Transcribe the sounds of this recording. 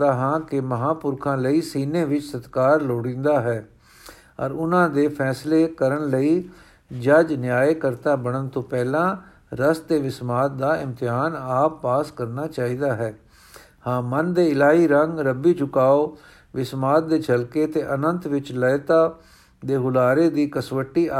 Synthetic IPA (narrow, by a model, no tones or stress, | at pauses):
d̪aːɦãːkɪməɦãːpʊɾkʰãːləiːsiːneːʋɪt͡ʃsət̪kaːɾloːɽĩːnd̪aːɦɛː | ɔɾʊnãːd̪eːpʰɛːsleːkəɾəɳləiː | d͡ʒəd͡ʒnjaːeːkəɾt̪aːbəɳənt̪õːpɛːlãː | ɾəst̪eːʋɪsmaːt̪̚d̪aːɪmt̪ɪɦaːnaːpːaːskəɾnaːt͡ʃaːiːd̪aːɦɛː | hãːmənd̪eːɪlaːɦiːɾəŋɡɾəbiːt͡ʃʊkaːoː | ʋɪsmaːt̪̚d̪eːt͡ʃʰəlkeːt̪eːʔənənt̪ʋɪt͡ʃlət̪aː | d̪eːɦʊlaːɾeːd̪iːkəsʋəʈːiː